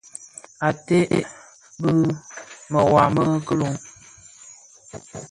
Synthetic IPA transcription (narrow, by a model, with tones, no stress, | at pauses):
a˨te˦ʔḛ˦ | bə˦mə˨wa˨mə˦kə˦lo˨ŋ